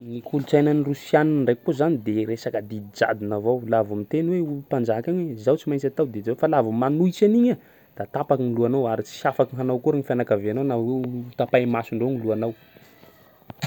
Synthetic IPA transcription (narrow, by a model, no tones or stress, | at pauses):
nikʰulut͡sajnanirusjaninɳɖ͡ʐekkuzanid̪eɾesakad̪id̪id͡za̰d̪inavowlavamint̪enweupand͡ʒakaɲwezawt͡simajnt͡sat̪awd̪ed͡ʒawefalavamanujt͡ʃaniɲa | d̪̥at̪apakiniluanawaɾit͡si̥safakiŋɦanawkuɾiŋifanakaveanawnawet̪apajmasuɳɖ͡ʐoniluanaw